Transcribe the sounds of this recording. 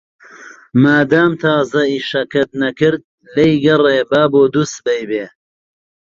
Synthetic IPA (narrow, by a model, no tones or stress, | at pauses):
maːd̪aːmt̪ʰaːzɐiːʃɐkʰɐt̪̚nɐkɪɾd̪̚ | lɐjɡɐreːbaːboːd̪us̚bɐjbeː